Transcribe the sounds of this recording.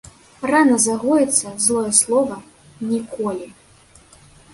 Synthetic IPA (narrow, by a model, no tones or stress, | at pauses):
ranɐzaɣɔjɛt̪sːɐzlˠɔjɛslˠɔvɐ | nʲikɔlʲi